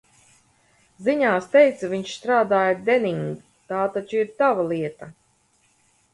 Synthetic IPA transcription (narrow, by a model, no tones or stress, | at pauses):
ziɲaːst̪ɛjt̪saviɲʃst̪ɾaːd̪aːjad̪eniŋɡ | t̪aːt̪at͡ʃiɾt̪avalˠiɛt̪a